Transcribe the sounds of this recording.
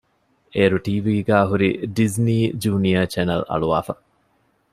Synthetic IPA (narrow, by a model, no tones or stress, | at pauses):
eːɾuʈiːʋiːɡæːɦuɾiɖizniːd͡ʒuːnijɐt͡ʃænɐlɐ̰ɭuʋa̰ːfɐ